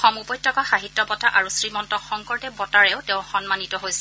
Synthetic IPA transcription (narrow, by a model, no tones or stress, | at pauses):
xɔmupɔjtʰːɔkaxaɦittːɔbɔtaʔaɹusɹimɔntɔxɔŋkɔɹtɛbɔtaɹɛʊtẽʊ̃xɔnmanitɔɦojsɛ